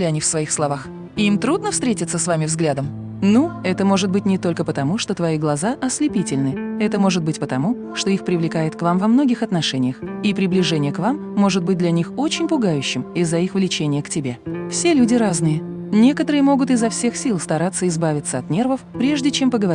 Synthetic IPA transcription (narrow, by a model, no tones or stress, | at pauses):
lʲɪɐnʲifsvɐixslˠɐvax | ɪimt̪ɾud̪nəfst̪ɾʲetʲɪt̪səsvamʲɪvzɡlʲad̪əm | nuɛt̪əmo̞ʐɨt̪̚bɨtʲnʲɪt̪o̞lʲkəpət̪ɐmuʂt̪o̞t̪vɐiɡlˠɐzaʔɐslʲɪpʲitʲɪlʲnɨɛt̪əmo̞ʐɨt̪̚bɨtʲpət̪ɐmu | ʂt̪o̞ixpɾʲɪvlʲɪkajɪt̪kvamvɐmno̞ɡʲɪxɐt̪nɐʂɛnʲɪjəxipɾʲɪblʲɪʐɛnʲɪjəkvamːo̞ʐɨt̪̚bɨt̚ʲd̪lʲɐnʲixo̞t͡ɕɪnʲpʊɡajʉɕːɪmɪzːɐixvlʲɪt͡ɕenʲɪjəktʲɪbʲe̞fsʲe̞lʲudʲɪɾaznɨjənʲe̞kət̪əɾɨjəmo̞ɡʊt̪ɪzɐfsʲe̞xsʲilˠst̪ɐɾat̪səɪzbavʲɪt̪səɐt̪nʲe̞rvəfpɾʲe̞ʐdʲɪt͡ɕe̞mpəɡəvɐ